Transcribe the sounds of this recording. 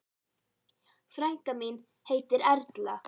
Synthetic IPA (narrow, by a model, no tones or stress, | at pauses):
fɾajŋ̥kamin | heːjt̪ɪɾɛɾt̪la